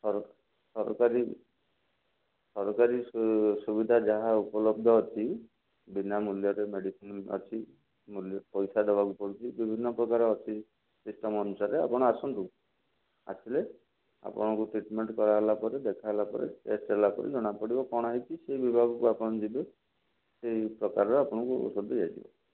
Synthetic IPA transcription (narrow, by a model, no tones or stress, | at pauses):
sɔɾ | sɔɾ̰kaɾi | sɔɾɔkaɾisubid̪ʱad͡ʒaɦaupɔlɔb̚d̪ʱɔɦɔt͡ʃʰi | binamuljɔɾemeɽikɔnɔ̰t͡ʃʰi | muljpɔjsad̪ebʱakupɔɽit͡ʃʰibibʱinːɔpɾɔkaɾɔɦɔt͡ʃʰi | sisʈɔmɔnusaɾea̰pɔɽ̃ɔasɔnt̪u | a̰t͡ʃʰile | a̰pɔ̰ɽ̃ɔkuʈɾiʈmeɳʈkɔɾaɦelapɔɾed̪ekʰaɦelapɔ̰ɾḛḛsʈelakɔ̰ɾʔḭd͡ʒɔɽ̃apɔɽibɔkɔɽ̃aɦit͡ʃʰiseibibʱaɡɔkuapɔɽ̃ɔd͡ʒibe | seɦipɾɔkaɾɔɾɔapɔɽ̃ɔkṵsɔd̪ʱid͡ʒad͡ʒḭbɔ̰